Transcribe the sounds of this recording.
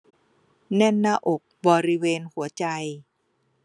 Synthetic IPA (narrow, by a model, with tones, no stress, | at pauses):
nɛ˥˩nːaː˥˩ʔo˨˩k̚bɔː˧ɾi˦˥weː˧nhu˩˦ɐt͡ɕa˧j